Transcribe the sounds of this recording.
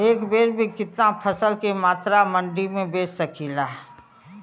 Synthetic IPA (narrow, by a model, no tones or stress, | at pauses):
eːkbeːɾbʱikɪt̪napʰəsəlkemaːt̪ɾamə̃ɳɖimẽbeːsːɐkʰiːlaːɦ